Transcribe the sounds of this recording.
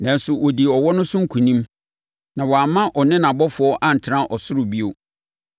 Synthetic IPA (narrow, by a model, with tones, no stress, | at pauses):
nã˨n̩˦sʊ˨ʔɔ˨di˨ɔ˨wɔ˦nʊ̃˦sʊ̃˦ŋ̩˦kʰũ˨nĩ˦m | nã˨wɔ˨a˨mã˦ʔɔ˨nɪ̃˦nã˨bɔ˦fʊ˨˦ɔ˦ʔa˦n̩˨tʰɪ˨ɾã˦ʔɔ˨sʊ˦ɾʊ˨bi˦o˦